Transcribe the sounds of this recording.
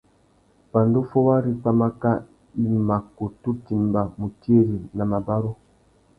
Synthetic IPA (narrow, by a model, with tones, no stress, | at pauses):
pa˨ndo˦fo˦wa˦ɾi˦k͡pa˦ma˦ka˦ | i˦ma˨ko˨tu˦ti˨mba˨mu˨ti˦e˦ɾi˨na˨ma˨ba˦ɾo˦